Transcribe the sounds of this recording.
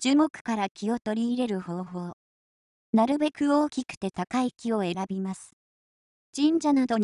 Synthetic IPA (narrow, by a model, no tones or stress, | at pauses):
d͡ʑɨːmo̞kɯ̟̥kaɾakʲio̞t̪o̞ɾʲiːɾe̞ɾɯ̟ho̞ːɦo̞ː | naɾɯ̟be̞kɯ̟o̞ːkʲikɯ̟̥t̪e̞t̪akaikʲio̞e̞ɾabʲimasɨ̥ | d͡ʑ̥ĩɲd͡ʑanad̪o̞ɲ